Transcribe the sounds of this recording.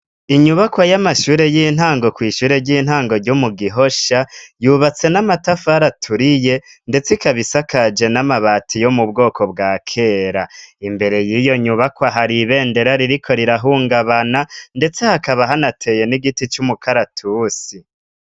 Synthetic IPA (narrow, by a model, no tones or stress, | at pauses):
iɲuβakwajamaʃuːɾe̞jiːn̥haːŋɡo̞kwiːʃuːɾe̞ɾɟiːn̥haːŋɡo̞ɾɟomuɡiɦo̞ʃajuβat͡se̞namatafaɾatʰuɾije̞ | nde̞t͡sikaβisakʰad͡ʒe̞namaβaːtʰijo̞mub̚ɡo̞ːkʰo̞bɡaːkʰe̞ːɾaimbe̞ɾe̞jiːjo̞ɲuβakwaɦaɾiβe̞ːnde̞ɾaɾiɾikʰo̞ɾiɾaɦuːŋɡaβanande̞t͡se̞hakaβaɦanatʰe̞je̞niɡitit͡ʃumukʰaɾatʰuːsi